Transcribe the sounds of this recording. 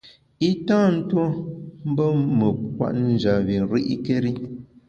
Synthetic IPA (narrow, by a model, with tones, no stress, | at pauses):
i˦tãː˦n̩˦two˦m̩˦bə˦mə˨kwa̰˨ʔn̩˦d͡ʒa˨βi˨ɾi˦ʔi˦ke˦ɾi˦